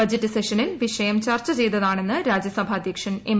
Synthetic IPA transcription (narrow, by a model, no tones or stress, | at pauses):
ɐd͡ʑɐtːɨseʂɐnilʋiʂɐjɐmt͡ɕɐrt͡ɕːɐt͡ɕe̞jt̪ːɐðaːɳe̞nːɨɾaːd͡ʑjɐsɐbʱaːd̪ʱjɐkʂɐnem